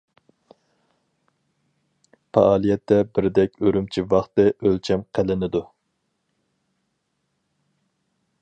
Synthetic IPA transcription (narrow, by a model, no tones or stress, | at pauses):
pʰɑɑːlˠijɛt̪ʰːɛbɪɾd̪ɛkʲøɾymt͡ʃʰivɑχt̪ɨʔølt͡ʃʰɛmqʰælɪnɪd̪u